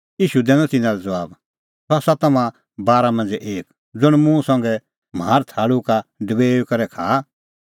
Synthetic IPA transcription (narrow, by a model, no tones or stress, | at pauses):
iːʃud̪ɛːnɔ̃t̪ɪnãlɛd͡zɐʋaːb | sasat̪ɐmã | baːɾamɐ̃nd͡zɛʔeːk | d͡zʊɽ̃mũsɐ̃ŋɡɛ | m̤aːɾt̪ʰaːɽukaɖəbeːukɐɾɛkʰaː